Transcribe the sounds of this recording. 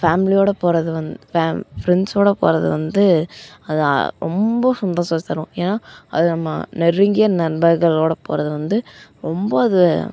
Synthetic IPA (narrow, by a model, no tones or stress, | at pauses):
faːmɪlɪjoːɽɐpoːɾɐðɯʋɐndfafɾɛnsoːɽɐpo̰ːɾɐðɯ̰ʋɐnd̪ɯɐðɯ̰ɾɔ̰mbɐsʊnd̪oːsɐːst̪ːɐɾʊ̃eːnːaːɐðɯnɐmːɐ̰nɛrːɯŋɡɪjɐnɐɾbɐɾɣɐɭoːɽɐpo̰ːɾɐðɯʋɐnd̪ɯɾɔmbɐɐðɯ